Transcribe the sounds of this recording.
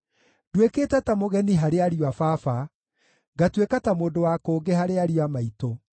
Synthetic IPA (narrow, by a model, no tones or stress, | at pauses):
dwekeːtatamoɣɛniɦaɾeaɾiwafafa | ɡatwekatamoːdowakoːɡehaɾeaɾiwamaito